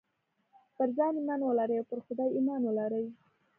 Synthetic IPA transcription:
pəɾzɑnmanwəlaɾəjawpəɾxʊd̪ɑjimɑnwəlaɾəj

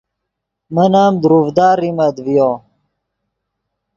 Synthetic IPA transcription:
mənaːmd̪ɾuvd̪aːɾimɐd̪vijoː

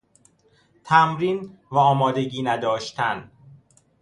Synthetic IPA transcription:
t̪ʰæmɾiːnvæɒːmɒːd̪e̞ɟiːnæd̪ɒːʃt̪ʰæn

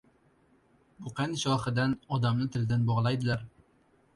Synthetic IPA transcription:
bʊqʰanɪʃɒχɨd̪anɒd̪amnɪt̪ʰɪlɪd̪anbɒʁlˠajd̪ɪlaɾ

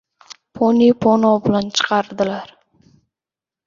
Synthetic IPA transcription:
pʰonipʰonobɪlant͡ʃʰə̥qʰɑɾd̪ɨlaɾ

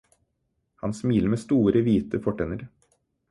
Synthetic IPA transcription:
hɑ̰nsmiːləɾmeːst̪uːɾəʋiːt̪əfɔʈeːnəɾ

